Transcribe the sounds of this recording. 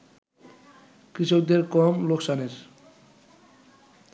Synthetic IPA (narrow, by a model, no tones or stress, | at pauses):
kɾiʃok̚d̪eɾkɔmloksaneɾ